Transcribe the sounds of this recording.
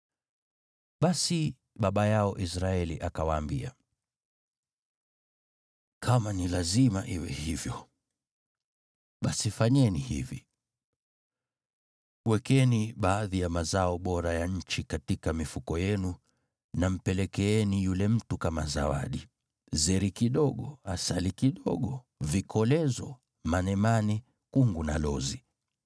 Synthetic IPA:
ɓasi | ɓaɓajaɔʔis̬ɾaɛliʔakawaːmbia̰ | kʰamanilazimaʔiwɛ̰hivjɔ | ɓasifaɲɛnihḭvḭ | wɛkɛniɓaːðijamazaɔɓɔɾajaɲ̩t͡ʃikatikamifukɔjɛnu | nam̩pɛlɛkɛɛnijulɛm̩tukama̰za̰wa̰ɗi | zɛɾikiɗɔɠɔasalikiɗɔ̰ɠɔ | vikʰɔlɛzɔ | manɛmani | kuŋɡunalɔzi

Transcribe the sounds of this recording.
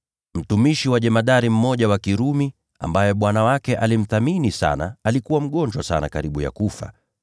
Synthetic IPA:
m̩tumiʃiwaʄɛmaɗaɾim̩mɔʄawakiɾumi | a̰mbajɛɓwanawakɛʔalim̩θaminisa̰naalikuwam̩ɠɔɲd͡ʒwasa̰na̰kaɾiɓuja̰kufa̰

